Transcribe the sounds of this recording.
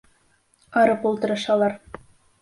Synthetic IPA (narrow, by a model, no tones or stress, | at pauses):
qɑɾɤpulˠt̪ɤ̆ɾɤ̆ʃɑlˠɑɾ